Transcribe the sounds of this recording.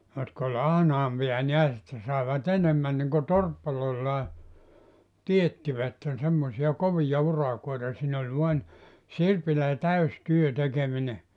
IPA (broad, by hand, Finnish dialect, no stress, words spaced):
jotk olʲ ɑhnɑːmpiɑ niæs etːæ sɑˑeʋɑt enemːæn niŋko torpːɑlːoilːɑː tietːiʋætːen semːosiɑ koʋijɑ urɑkoitɑ siːn olʲ ʋuɑn sirpilæ tæys tyø tekemine